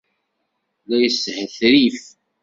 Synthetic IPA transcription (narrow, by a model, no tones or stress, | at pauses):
læjəshəθɾif